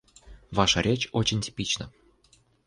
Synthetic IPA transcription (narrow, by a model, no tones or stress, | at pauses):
vɑʃɤɾʲʔet͡ɕot͡ɕenʲtʲi̥pʲit͡ɕnə̰̆